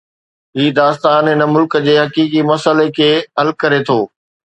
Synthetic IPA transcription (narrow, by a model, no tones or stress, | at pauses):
ɦiːd̪aːst̪aːnɪnəmʊlkəd͡ʑeːɦɐkiːkimɐsəlekʰeːɦɐlkɐɾet̪ʰoː